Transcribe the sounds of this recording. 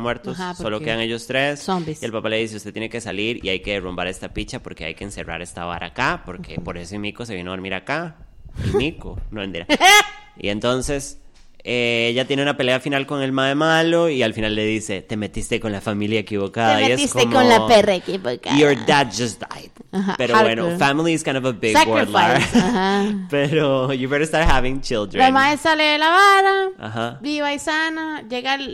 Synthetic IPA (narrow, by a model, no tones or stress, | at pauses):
mweɾt̪osaso̞lokeðaŋe̞ʝost̪ɾessombie̞lpapale̞ðis̬e̞ust̪et̪jenekesaliɾḭajke̞rombaɾe̞st̪apit͡ʃapo̞ɾke̞a̰jkeːnse̞ra̰ɾe̞st̪aβa̰ɾʔa̰kapo̞ɾkʰepo̞ɾe̞soimikos̬e̞βjeneaðoɾmiɾakaimikonoend̪iɾa | ḭe̞nt̪o̞nse̞s | eeʝat̪jeneunape̞leafinalko̞ŋe̞lmaðemalo̞ialfinalːe̞ðise̞̰t̪e̞me̞t̪ist̪eko̞nlafamiljaekiβo̞kaðaimeisk̪emkonlaperekiβokajoɹd̪ad̪̚d͡ʒasd̪a̰jd̪̥aɦa̰peɾoβwenofamiliɪskãj̃nd̪ovəbɪɡswolaahapeɾojubɛɾast̪aɾt̚haβĩŋt͡ʃild̪ɾlamaðesaleðelaβaɾaa̰habiβaisanad͡ʒe̞ɣal